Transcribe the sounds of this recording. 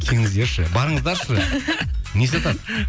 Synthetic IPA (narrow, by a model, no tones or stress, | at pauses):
kʲʰeŋɪzd̪eɾʃɪbɑɾəɴəzd̪ɑɾʃə | nesɑt̪ɑt̪